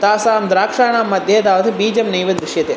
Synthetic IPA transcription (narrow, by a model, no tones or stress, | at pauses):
t̪aːsaːmd̪ɾaːkʂaːɳ̃aːmːɐd̪ʱjɐɐd̪aːʋɐt̪ʰɐbiːd͡ʒɐmnɐjʋɐd̪ɾɪʃjɐt̪e